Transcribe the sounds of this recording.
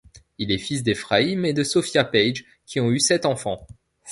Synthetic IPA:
ilɛfis̬d̪efχaimed̪əsɔfjapɛjʒ | kʲiɔ̃ysɛt̪ɑ̃fɑ̃

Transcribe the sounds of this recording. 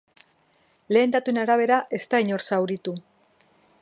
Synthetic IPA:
le̞ːnd̪at̪ue̞naɾaβ̞e̞ɾaʔe̞st̪aiɲo̞ɾsawɾit̪u

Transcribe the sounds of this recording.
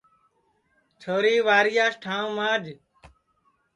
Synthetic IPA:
t͡ʃʰoːɾiːʋaːɾɪjaːsʈʰãːmaːd͡ʒ

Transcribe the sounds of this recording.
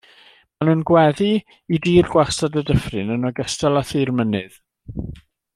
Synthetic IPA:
manuːnɡwɛði | idiːrɡwasadədəfrɨnənɔɡəstɛlˠaθirmənɨð

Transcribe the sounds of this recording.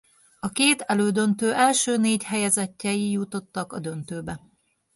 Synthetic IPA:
ɒkeːt̪ɛløːd̪ønt̪øːʔɛlʃøːneːchɛjɛzɛcːɛjijut̪o̞t̪ːɒkɒ̰d̪ø̞nt̪øːbɛ

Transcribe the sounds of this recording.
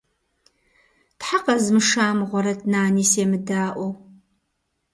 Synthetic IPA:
tħaqɐzmɨʂaːmʁʷɔɾɐdnaːniːsemɨdaːʔʷɔw

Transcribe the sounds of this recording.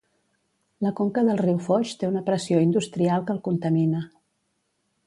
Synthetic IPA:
ləkoŋkəðəlˠriwfɔʃt̪eunəpɾəsioind̪ust̪ɾialˠkəlˠkunt̪əminə

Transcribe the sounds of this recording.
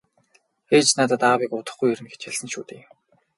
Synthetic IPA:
xeːt͡ɕnaːt̪ăt̪aːwikʊt̪ə̆χɡujɵɾɘ̆nɡe̥t͡ɕjaɮsə̆nʃuːt̪eː

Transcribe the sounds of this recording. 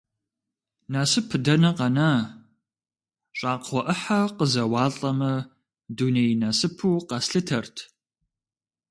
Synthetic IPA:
naːsɨpʰɨdɐnɐqɐnaː | ɕʼaːqʰʷɔʔɨħaqəzɐwɑːɬʼɐmɐ | duːnejnasɨpʰuːqɐsɬɨtʰɐrtʰ

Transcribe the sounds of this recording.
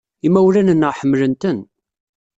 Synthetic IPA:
imæwlænənːəħəmːlənt̪ən

